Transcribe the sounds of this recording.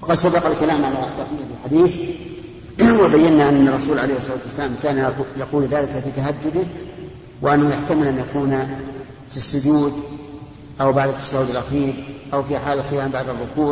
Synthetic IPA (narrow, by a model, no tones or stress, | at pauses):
wɑqɑd̪sabɑqalkalaːmʕalat̪ˤɑbiːʔafɪlħad̪iːθ | wɪbajːanːaʔanːɑrˤːɑsuːlʕalejhsˤːɑlaːt̪wasːalaːmkaːnjɑquːlðaːlɪkafit̪aɦad̪ːʊd̪ɪ | wɪʔanːahʊjaħt̪amɪlʔanjʔakuːna | fisːʊd͡ʒ̪uːd̪ | ʔawbaʕd̪ɪt̪ːḁʃaːwʊd̪alʔaxiːɾʔawfiħaːlɪlqɪjaːmbaʕd̪ɪrˤːʊkuː